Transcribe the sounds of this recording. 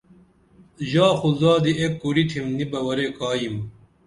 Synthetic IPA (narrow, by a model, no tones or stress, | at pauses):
ʑaːxuzaːd̪iekːuɾiʈʰimnibɐwɐɾeːkaːjim